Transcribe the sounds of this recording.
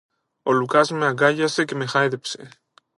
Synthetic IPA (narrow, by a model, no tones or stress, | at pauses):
olukazmeaɡaʎasekemexaeðepsḛ